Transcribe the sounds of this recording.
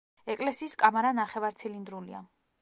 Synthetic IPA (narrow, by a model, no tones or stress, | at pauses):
ɛkʼlɛsiːskʼamaɾanaχɛvaɾt̪sʰilind̪ɾulia̰